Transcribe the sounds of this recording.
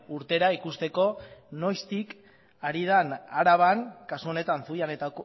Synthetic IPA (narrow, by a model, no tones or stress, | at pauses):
uɾt̪e̞ɾaikust̪e̞ko̞no̞jst̪ik | aɾið̞anaɾaβ̞aŋkasuone̞t̪ansujane̞t̪ak